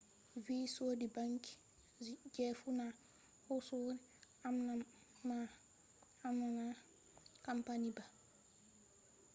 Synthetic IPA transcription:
viːsoːdibaŋki̥ | d͡ʒɛfuna | hɔsɔɾi | amna | ma | amnana | kampaniba

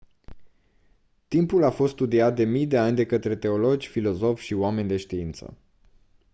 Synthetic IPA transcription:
t̪impulafo̞st̪st̪ud̪iat̪̚d̪e̞mijd̪e̞anʲd̪e̞kət̪ɾe̞t̪e̞o̞lo̞d͡ʒʲfilo̞zo̞fʲʃiowame̞nʲd̪e̞ʃt̪iint̪sə̰

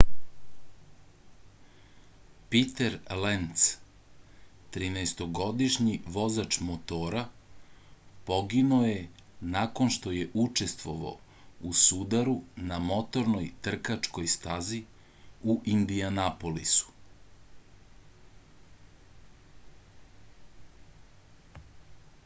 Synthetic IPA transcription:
pit̪eɾlent̪s | t̪ɾineːst̪o̞ɡo̞d̪iʃɲiʋo̞zat͡ʃmot̪oːɾa | po̞ɡinoje | nako̞nʃt̪oje̞ʔut͡ʃe̞st̪ʋo̞ʋa̰o | usud̪aɾunamo̞t̪o̞ɾno̞jt̪r̩kat͡ʂko̞jst̪azi | uʔind̪ianapo̞lisu̥

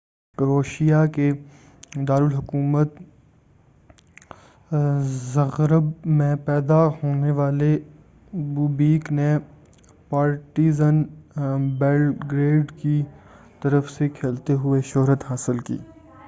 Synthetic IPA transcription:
kəɾoːʃijake | d̪aːɾəlɦʊkuːmət̪ | zɐɣɾəbmẽpɛːd̪ahoːneʋaːle | buːbiːkne | paːɾʈiːzən | beːlɡɾeːɖki | t̪ɐɾəfsekʰeːlt̪eɦʊeʃʊɦɾət̪haːsɪlkḭː

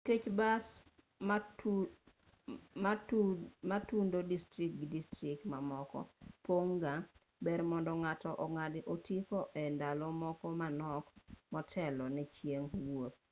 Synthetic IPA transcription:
ket͡ʃbas | matundodistɾik̚ɡidistɾɪk̚tmamɔkɔ̰poŋɡa | bɛɾmɔndɔŋatɔʔɔŋadɪʔotikɔʔɛndalɔmɔkɔmanɔkmɔtʰɛlɔnɛt͡ʃjeŋwot̪̚

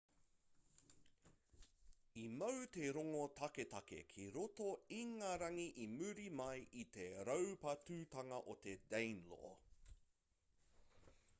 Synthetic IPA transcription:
imɐwt̪eɾoŋot̪ʰɐketɐkḛkʰiɾot̪oiŋaɾɐŋiʔimʉɾimɐjʔit̪eɾɐwpɐtʉːt̪ɐŋɐʔot̪e̞d̪ẽjnlo̰ː

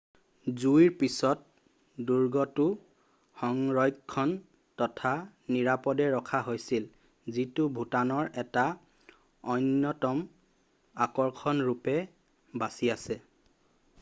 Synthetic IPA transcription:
zuiɹpisɔt̚ | duɹɡɔtʊ | xɔŋɹɔjkkʰːɔn | tɔtʰaniɹapɔdɛɹɔkʰaɦojsil | zitʊbʱutanɔɹɛta | ɔjnjɔtɔm | akɔɹkʰɔnɹupɛ | basiasɛ

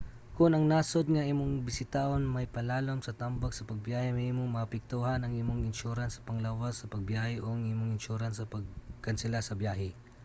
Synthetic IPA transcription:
kʊnɐŋnaːsod̪̚ŋɐʔimoŋbɪsɪt̪aʔonmɐjpɐlaːlomsɐt̪ambaɡ̚sɐpɐɡ̚bjaːhɛmimoŋmɐɐpɪk̚t̪uɦɐnɐŋɪmoŋɪnʃuɾansɐ̥pɐŋlawasɐpɐɡ̚bjaːhɛʔoŋɪmoŋɪnʃuɾansɐpɐɡ̚kɐnsɪlasɐbjaːhɛ

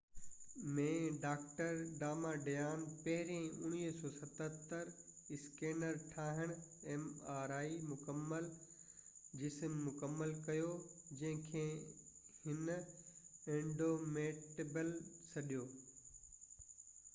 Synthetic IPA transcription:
mẽːɖaːk̚ʈəɾɖaːmaːɖɐjaːnpɐɦɪɾiẽʊñiːɦsɔːsɐt̪ət̪əɾɪskeːnəɾʈʰaːɦɪɽ̃ɛ̃ːmaːɾaːimʊkəmːəl | d͡ʑɪsmːʊkəmːəlkɐjoːd͡ʑɐ̃ɦɪ̃kʰeːhɪn | ẽːɳɖoːmeːʈebəlsɐɗijoː

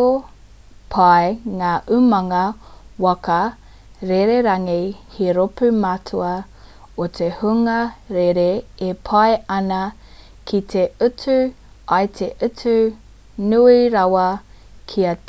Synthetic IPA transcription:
o | pʰɐjŋaːʔʉmɐŋɐwɐkɐ | ɾeɾeɾɐŋihiɾopʉmatʰuɐ | ot̪ʰehuŋɐɾeɾeepʰɐeɐnɐ | kʰit̪ʰeʉtʉ | ɐjt̪ʰeʔʉtʉ | nuiɾɐwɐ | kʰiɐ

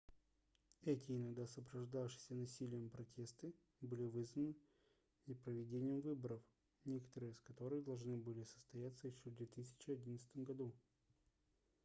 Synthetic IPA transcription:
ɛtʲɪɪnɐɡd̪asəpɾɐʐd̪afʂɨ̥sʲənɐsʲilʲɪjəmpɾɐtʲe̞st̪ɨ | bɨlʲɪvɨzvənɨ | nʲɪpɾəvʲɪdʲenʲɪjəmvɨbəɾəf | nʲekə̥t̪əɾɨjəɪskɐt̪o̞ɾɨɣd̪ɐlˠʐnɨbɨlʲɪsə̥st̪ɐjat̪sːəjɪɕːovd̪vʲet̪ɨsʲɪ̥t͡ɕɪɐdʲinət̪st̪əmɡɐd̪u

